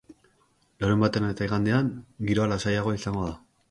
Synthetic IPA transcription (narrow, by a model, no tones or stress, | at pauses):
laɾumbat̪e̞net̪aiɣand̪eaŋɡiɾo̞alasajaɣ̞o̞isaŋɡo̞ð̞a